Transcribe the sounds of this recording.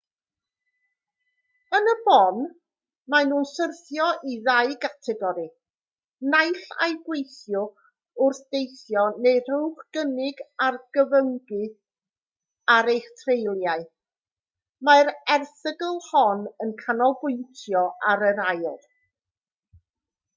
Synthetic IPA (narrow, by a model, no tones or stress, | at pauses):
ənəbɔn | manuːnsərθjɔʔiðajɡatʰɛɡɔɾi | najɬa̰jɡwejθjʊ | ʊrθd̥ejθjɔneɨr̥uwχɡ̥ənɪɡarɡ̥əvəŋɡɨ | aɾejχtʰrejlˠjaɨ | maɾɛrθəɡəlˠhɔnənkʰanɔlˠbʊɨntʰjɔʔaɾəɾajlˠ